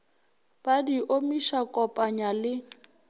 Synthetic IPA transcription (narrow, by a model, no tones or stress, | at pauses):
b̥adiʔomiʃakʼɔpʼaɲalɪ